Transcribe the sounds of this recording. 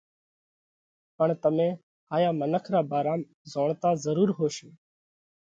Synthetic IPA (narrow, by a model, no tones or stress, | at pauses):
pəɳt̪əmẽː | haːjaːmənəkʰɾaːbaːɾaːm | zoːɳt̪aːzəɾuːɾɦoːʃeː